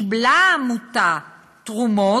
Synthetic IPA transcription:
blamut̪a | t̪ʁumɔ

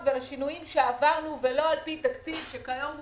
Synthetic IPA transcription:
velaʃinujimʃeavaʁnuvelo̞alpit̪akt͡sivʃekajom

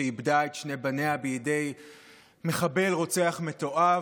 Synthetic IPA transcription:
eibdaet̪ʃnebaneabejede̞j | me̞χabe̞lʁot͡seaχme̞t̪o̞ʔa

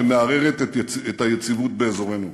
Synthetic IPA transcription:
emeaʁe̞ʁet̪et̪et̪hajet͡sivut̪̚be̞ːzo̞ʁe̞nu

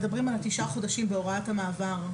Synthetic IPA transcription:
dabʁimalatiʃaχo̞daʃimbeo̞ʁatamaːvaʁ

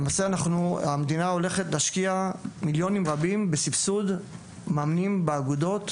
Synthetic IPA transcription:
lemaːseanaχnuamed̪inao̞le̞χetleːʃkiamiljo̞nimʁabimbesifsud | maːmnimbeaɡud̪o̞t

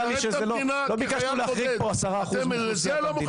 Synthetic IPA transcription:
aliʃezelo | lobikaʃuleaχʁiɡ̚poasaʁaːχuzm | es | i

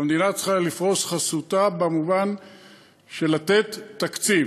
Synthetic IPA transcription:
amd̪inat͡sχalifʁo̞sχasutabamuvan | ʃe̞lat̪e̞t̪ːakt͡siv

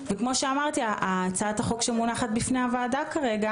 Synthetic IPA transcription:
vekmo̞ʃeamaʁt̪iaʔat͡saat̪aχo̞kʃemunaχat̪̚bifne̞havaːdakaʁe̞ɡa

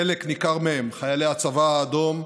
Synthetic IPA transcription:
eleknikaʁmeemχajaleat͡savaːd̪o̞m

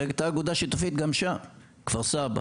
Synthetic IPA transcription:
eɡt̪aːɡud̪aʃit̪ufit̪ɡamʃa | kv̥aʁsaba̰

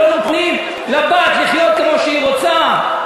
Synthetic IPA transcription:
onoχnim | labaːt̪liχjot̪̚kemoʃeiʁot͡sa

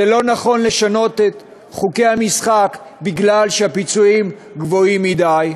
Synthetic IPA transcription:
elo̞naχo̞nle̞ʃano̞tet̪ | χuke̞jhamisχak | biɡlalʃehapit͡suim | ɡvo̞imːidaj

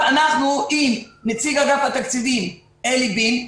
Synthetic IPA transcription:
anaχnuʔimnat͡siɡaɡafhat̪akt͡sidim | elibin

